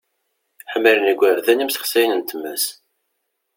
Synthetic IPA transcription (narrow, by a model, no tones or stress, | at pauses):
ħəmːəlnəɡʷæɾðænimsə̥χsæjnənt̪əmːæs